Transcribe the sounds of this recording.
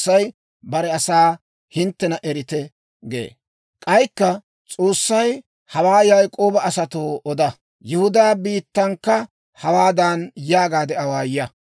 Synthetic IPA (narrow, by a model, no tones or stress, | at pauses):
ɐj | bɐɾɛɐsaː | hɪnt̪ːɛnɐʔɛɾɪt̪ɛ | ɡḛː | kʼɐjkːɐ | t͡sʼoːsːɐj | hɐwaːjɐjkʼo̞ːbɐɐsɐt̪oːʔɔd̪ɐ | jʊhʊd̪aːbiːt̪ːɐŋkːɐ | hɐwaːd̪ɐnjaːɡaːd̪ɛɐwaːjɐ